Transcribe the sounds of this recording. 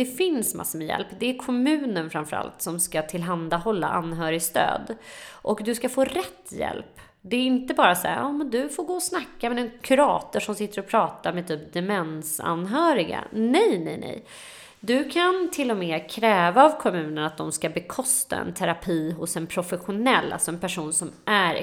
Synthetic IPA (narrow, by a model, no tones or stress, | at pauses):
d̪ɛfɪnsma̰sːamɛjɛ̰lpːd̪ɛæɾkʰɔmʉ̟ːnənfɾamfœɾa̰lt̪sɔmskat̪ʰɪlɦand̪ahɔlːa̰ʔanːɦœːɾɪst̪ø̰ːd̪ʔɔkd̪ɵskafoːɾɛt̪ʰːjɛ̰lp | d̪ɛːɾɪnt̪əbɑːɾasa̰ja̰ɑːmɛnd̪ɵfoɾɡoːɔsnakːamɛɛnkʰɵɾɑːt̪əʂɔmsɪt̪ːəɾɔpʰɾɑːt̪aɾmɛt̪ʰyːp̚d̪ɛmɛnsa̰nɦœːɾɪɡa̰nɛjnɛ̰jnʔɛ̰j | d̪ɵkʰant̪ʰɪlːɔmɛːkʰɾɛːvaːvkʰɔmʉ̟ːnənat̪̚d̪ɔmskabɛkʰɔst̪a̰ɛ̰nt̪ʰɛɾapʰiːɦʊsɛnpʰɾʊfɛɧʊnɛlːʔa̰lsɔɛnpæʂuːnsɔmʔæɾ̰